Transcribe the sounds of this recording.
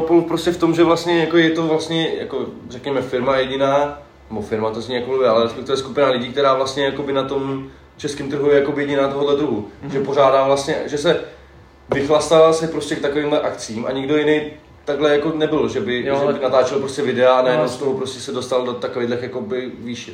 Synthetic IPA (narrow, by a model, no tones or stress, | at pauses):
opolpɾoscɛft̪o̞mʒɛvlast̪ɲɛjakojɛt̪o̞vlast̪ɲɛja̰ko̞rɛkɲɛmɛfɪɾmajɛɟɪnaː | nɛbofɪɾmat̪ozɲiːjakoluvɛalɛɾɛspɛkt̪ɪvɛskupɪnalɪɟiːkt̪ɛɾaːvlast̪ɲɛjako̞bɪnat̪o̞m | t͡ʃɛskɪmt̪r̩ɦujɛjakobɪjɛɟɪnaːt̪oɦodlɛd̪ɾuɦuʒɛpo̞ʒaːdaːvlast̪ɲɛʒɛsɛ | vɪxlast̪aalsɛpɾo̞scɛk̚t̪akoviːmlɛʔakt͡siːmʔa̰ɲɪɡdo̞jɪnej | t̪aɡlɛjako̞nɛbɪlʒɛbɪʒɛbɪnat̪aːt͡ʃɛlpɾo̞scɛvɪdɛaanajɛdnowst̪oɦopɾostcɛsɛdo̞st̪aldot̪akovejdlɾxjako̞bɪviːʃ